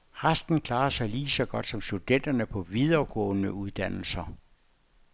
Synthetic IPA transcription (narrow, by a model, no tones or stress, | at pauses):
ʁasd̥n̩kʰlɑ̈ːsɑ̈ɪliːsɒ̽ɡ̥ɒ̽d̥sɒ̽msd̥ud̥en̰d̥ɐnəpʰɒ̽ʋið̞ˠɐɡ̥ɔ̰̽ːnəuð̞ˠd̥æn̰l̩sɐ